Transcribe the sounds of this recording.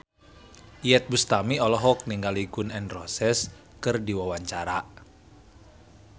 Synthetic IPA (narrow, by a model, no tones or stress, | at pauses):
jɛt̪̚bust̪amiɔlɔɦɔk̚niŋɡaliɡunɛnrɔsɛs | kɨrdiwawaɲt͡ʃaɾa